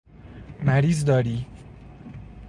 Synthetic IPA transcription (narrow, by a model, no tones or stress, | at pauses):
mæɾiːzd̪ɒːɾiː